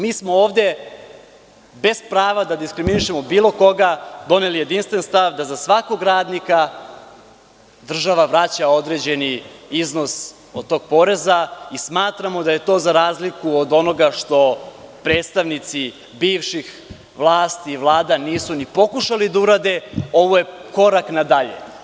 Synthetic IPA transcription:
miːsmo̞oːʋd̪e̞ | be̞spɾaːʋad̪ad̪iskɾiminiʃe̞mo̞biːlo̞ko̞ɡad̪o̞ne̞lije̞d̪inst̪ʋe̞nst̪aʋd̪azasʋako̞ɡɾaːd̪nika | d̪r̩ʒaʋaʋɾat͡ɕao̞d̪ɾe̞ːd͡ʑe̞niizno̞s | o̞d̪̚t̪o̞ːɡ̥̚po̞ɾe̞zaismaːt̪ɾamo̞d̪aje̞t̪o̞ːzaɾaːzlikuod̪o̞no̞ɡaʃt̪o̞pɾeːt̪st̪aʋnit̪si | biːʋʃix | ʋlˠaːst̪iːʋlˠaːd̪aniːsunipo̞kuʃalid̪auɾaːd̪e̞o̞ʋoje̞ko̞ɾaknad̪aʎḛ

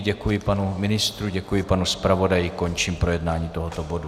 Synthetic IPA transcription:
ɟɛkujɪpanumɪnɪst̪ɾuɟɛkujɪpanuspɾavo̞dajɪko̞nt͡ʃiːmpɾo̞jɛdnaːɲiːt̪oɦot̪obo̞du

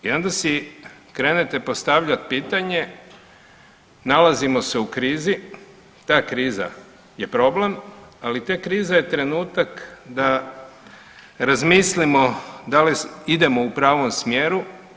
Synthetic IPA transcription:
io̞nd̪asikɾeːnet̪epost̪aʋʎat̪̚piːt̪aɲe̞ | nalazimo̞seukɾiːzi | t̪aːkɾiːza̰ | je̞pɾo̞ble̞malit̪ekɾiːzaje̞t̪ɾe̞nuːt̪akd̪a | ɾazmislimo̞d̪aliid̪e̞mo̞upɾaːʋo̞msmjeːɾu

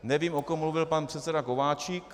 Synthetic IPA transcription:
nɛviːmo̞komːmluvɪlpanpr̝̥ɛt̪sɛdako̞vaːt͡ʃik

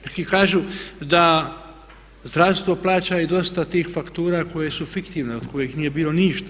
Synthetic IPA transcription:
nekikaːʒud̪a | zd̪ɾaʋst̪ʋo̞plaːt͡ʃaid̪o̞st̪at̪iːxfakt̪uːɾako̞je̞sufikt̪iːʋneod̪ko̞jixniːje̞biːlo̞niʃt̪ḁ

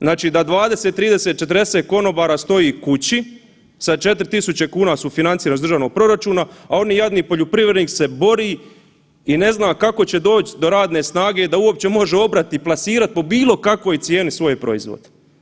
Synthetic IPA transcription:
znaːt͡ʃiːd̪ad̪ʋaːd̪eset̪ːɾiːd̪e̞set̪̚t͡ʃe̞t̪ɾd̪eseːt̪̚ko̞no̞baːɾaːst̪o̞jiːkut͡ɕi | sat͡ʃe̞t̪ɾit̪isut͡ɕe̞kuːnasufinant̪iːɾanozd̪r̩ʒaːʋno̞ɡ̚pɾo̞ɾat͡ʃuːnaao̞nijad̪niːpo̞ʎupɾiʋɾed̪niːkse̞bo̞ɾiː | ine̞znaːkako̞t͡ɕe̞d̪o̞ːt͡ɕd̪o̞ɾaːd̪ne̞ːsnaːɡe̞ːd̪auo̞p̚t͡ɕe̞mo̞ʒeo̞bɾat̪iiplˠasiːɾat̪̚po̞biːlˠo̞kako̞ːjt̪sje̞ːnisʋo̞jepɾo̞̰izʋo̰d̪

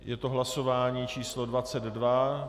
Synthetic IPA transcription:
jɛt̪oɦlaso̞vaːɲiːt͡ʃiːslo̞dvat͡sɛd̪dva

